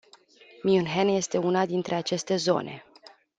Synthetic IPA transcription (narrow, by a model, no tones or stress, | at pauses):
miunɦenje̞st̪e̞unad̪int̪ɾʔe̞at͡ʃe̞st̪e̞zo̞̰nʔe̞̰